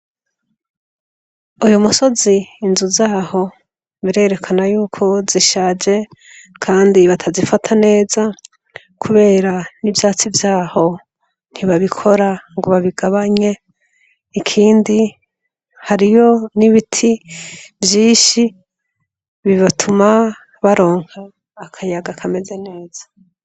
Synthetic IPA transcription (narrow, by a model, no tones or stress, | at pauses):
ujumuso̞ziːnzuzaːho̞ | βiɾe̞ːɾe̞kʰanajuːkʰo̞ziʃaːd͡ʒe̞ | kʰaːndiβatʰazifatʰane̞ːza | kʰuβe̞ːɾanivjaːt͡sivjaːho̞ | n̥hiβaβikʰo̞ɾaŋɡoβaβiɡaβaɲe̞ | ikʰiːndi | haɾijo̞niβitʰibjiːʃi | βiβatʰuma | βaɾo̞ːŋ̥haː | kʰajaɡakʰame̞ze̞ne̞ːz̥ḁ